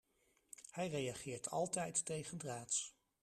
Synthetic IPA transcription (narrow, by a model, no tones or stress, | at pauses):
hɛjrejɑχɪːɹtʰɑ̰lˠtɛjtːejχəndraːts